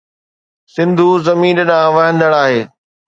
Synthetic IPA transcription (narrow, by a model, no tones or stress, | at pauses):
sɪ̃nd̪ʱuzɐmiːnɗãːʋɐɦə̃nd̪əɽaːɦeː